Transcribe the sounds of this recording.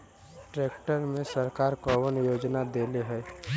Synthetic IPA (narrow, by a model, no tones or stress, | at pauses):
ʈɾeːkʈəɾmẽsəɾkaːɾkoʋənjoːd͡ʒnad̪eːleɦɛː